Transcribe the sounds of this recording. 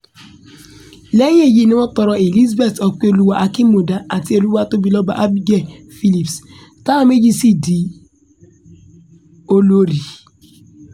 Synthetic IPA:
le˦ɲ˦e˦˨ji˦ne˦ɔ˦tɔ˨ɾɔ˨e˨li˦zbe˦˨tɔ˨k͡po˦˨lu˦wa˦ʔa˦ki˦mo˨da˦a˨ti˦e˦˨lu˦wa˦˨to˦bi˨lɔ˦ba̰˨ʔa˦bi˦ɡe˨ | fi˦li˨ps | ka˦˨me˦d͡ʒi˦si˦di˨ | o˦lo˦ɾi˨

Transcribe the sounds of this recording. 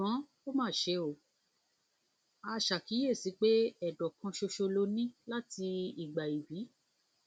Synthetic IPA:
ã˨˦ | o˦mãː˦˨ʃe˧˦o˨ | a˨˧ʃa˨ki˨˦je˦˨si˨˦k͡pe˦ɛ˨dɔ˨kã˧ʃo˧ʃo˧lo˧˦nĩ˦la˦ti˧i˨ɡ͡ba˨i˨wi˨˦

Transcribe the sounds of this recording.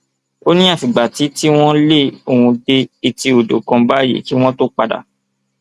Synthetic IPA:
o˦nĩ˦a˦˨fi˨ɡ͡ba˨ti˨˦ti˦w̃ɔ̃˦le˦o˧˨hũ˧de˧i˧ti˧o˨do̰˨kɔ̃˧ba˦jḭ˨˦ki˦w̃ɔ̃˦to˦k͡pa˧da̰˨

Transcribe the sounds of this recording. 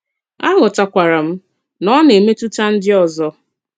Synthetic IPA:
a˦ŋʊ˨ta˨kʷa˨ɾa˨m̩˦ | nɔ˦ne˨me˦tu˦ta˦n̩˦dɪ˦ɔ˨zɔ˦

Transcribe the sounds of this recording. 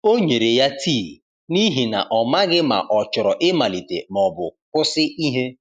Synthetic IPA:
o˦ɲe˨ɾe˨ja˦tʰi˦˨ | ni˦ɦi˨na̰˨ʔɔ˨ma˦ɡɪ˦ma̰˨ʔɔ˨t͡ʃʊ˨ɾɔ˨ʔɪ˦ma˨li˨tḛ˨m˨ɔ˨bʊ̰˨kʊ˦sɪ˦i˦ɦe˦

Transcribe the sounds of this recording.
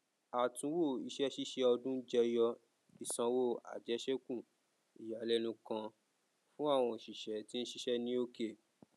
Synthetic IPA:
a˨tũ˨˦wo˦˨i˨˧ʃɛ˦ʃi˦ʃɛ˦ɔ˧dũ˦d͡ʒɛ˧jɔ˧ | i˨sã˧wo˦˨a̰˨d͡ʒɛ˨˦ʃɛ˦kũ˦˨ | i˨ja˨˦lɛ˦nũ˧kã˧ | fũ˦a˦˨w̃ɔ̃˧˨ʃi˨ʃɛ˨˦ti˦n̩˦ʃi˦ʃɛ˦nĩ˦o˦ke˦˨

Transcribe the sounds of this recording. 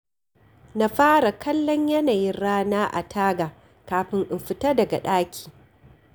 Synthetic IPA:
na˨ɸaː˦ɾa˨kʰɐ˦lːɔ˦ɲjɐ˦naː˨ji˦nɽaː˦naː˦ʔa̰˨tʰaː˦ɡa˨ | kaː˨ɸɪ˦ŋʔɪ˨mɸɪ˨tɐ˦dɐ˨ɡa̰˨ɗaː˦kʲʰi̥ː˨

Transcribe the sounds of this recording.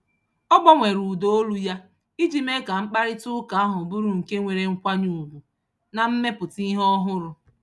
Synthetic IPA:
ɔ˦ɡ͡bɔ˦ŋʷe˨ɾu˨do˨˦o˦lu˦ja˦ | i˦d͡ʒi˦me˦ka˨ŋ͡m̩˦k͡pa˦ɾɪ˦tʊ˦ka˨a˦ɦʊ˨bu˦ɾu˨ŋ̩˨ke˦ŋʷe˨ɾe˨ŋ̩˦kʷa˦ɲu˨ɡʷu˨ | na˨m̩˦me˦pʊ˨ti˦ɦɔ˦ɦʊ˦ɾʊ˨

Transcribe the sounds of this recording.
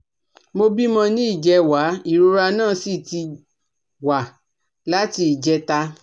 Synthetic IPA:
mo˧bi˦mɔ̃˧nĩ˦i˦˨d͡ʒɛ˧wa˨˦i˦˨ɾo˨˧ɾa˧nãː˦˨si˦˨ti˧ | wa˨ | la˦ti˧i˨d͡ʒɛ˧˦ta˧

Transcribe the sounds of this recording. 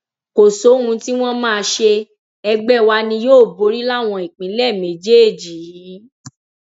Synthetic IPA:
ko˨so˨˦hũ˧ti˦w̃ɔ̃˦mãː˦˧ʃe˧ | ɛ˧ɡ͡bɛ˦˨wa˧nĩ˧joː˦˨bo˨˦ɾi˦la˦˨w̃ɔ̃˧i˨k͡pĩ˨˦lɛ˦˨mẽ˨˦d͡ʒe˦e˦˨d͡ʒi˨i˨˦

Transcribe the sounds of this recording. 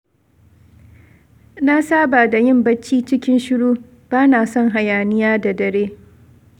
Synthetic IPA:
na˦saː˦baː˨da˨jɪ˦˨mbɐ˦t͡ʃːiː˦t͡ʃɪ˦kʲɪ˦nʃɪ˦ɽuː˦ | b̥aː˦naː˨sɔ˦ŋɦa˨jaː˨nɪ˦jaː˦da˨dɐ˨ɽeː˦

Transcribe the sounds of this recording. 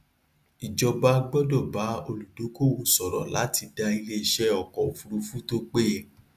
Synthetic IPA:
i˨d͡ʒɔ˧ba˦ɡ͡bɔ˦dɔ˦˨ba˨˦o˧lu˨do˨˦ko˦˨o˧˨sɔ˨ɾɔ̰˨la̰˨˦ti˧da˧i˧le˦i˦˧ʃɛ˦ɔ˨kɔ˨fu˧ɾu˧fu˦to˦k͡pe˦

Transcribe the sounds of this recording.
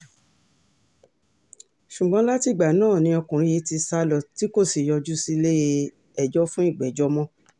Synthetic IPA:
ʃu˨ɡ͡bɔ̃˧˦la˦ti˧˨ɡ͡ba˨nãː˦˨nĩ˧ɔ˧kũ˨ɾ̃ĩ˧je˨˦ti˧sa˧˦lɔ˨ti˦ko˦˨si˨jɔ˧d͡ʒu˦si˦˧le˦˧ | ɛ˨d͡ʒɔ˦fũ˦i˦˨ɡ͡bɛ˨d͡ʒɔ˦mɔ̃˦

